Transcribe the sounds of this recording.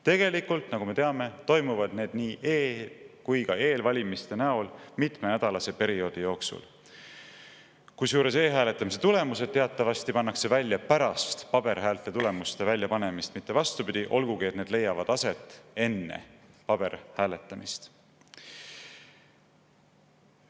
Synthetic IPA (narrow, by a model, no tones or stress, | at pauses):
t̪e̞ɡe̞likult̪nɑɡ̥ume̞t̪e̞ɑme̞t̪o̞jmuvɑd̪̥ne̞ːd̪̥niːʔeːkujkɑe̞ːlvɑlʲimist̪e̞næo̞lmit̪ˑmenæd̪̥ɑlɑse̞pe̞ɾio̞ːd̪̥ijo̞ːksṵl | kusjuːɾe̞se̞ːɦæːle̞t̪ˑːɑmis̬e̞t̪ule̞muse̞d̪̚t̪e̞ɑt̪ːˑɑvɑst̪ipɑnːɑkse̞vælʲːjɑpæɾɑst̪pɑb̥e̞ɾɦæːlt̪et̪ule̞must̪e̞vælʲjɑpɑne̞mist̪mit̪ːe̞vɑst̪upid̪̥iʔo̞lɡ̥uɡiet̪ne̞ːd̪le̞jːɑvɑd̪̥ɑse̞t̪ːˑe̞nːḛpɑb̥e̞ɾhæːle̞t̪ːˑɑmist̪